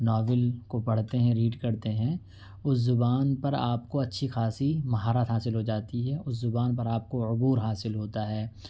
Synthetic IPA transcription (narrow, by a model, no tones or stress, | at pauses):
nɔːʋɪlkopɐɽ̤t̪eɦɛ̃ɾiːɖkɐɾt̪eɦɛ̃ | ʊszʊbaːnpɐɾa̰ːpkoɐtːʃʰixaːsimɐɦaːɾət̪ɦaːsɪlɦod͡ʒaːt̪iɦɛːʊs̬zʊbaːnpɐɾaːp̚koʊbuːɾɦaːsɪlɦoːt̪aɦɛː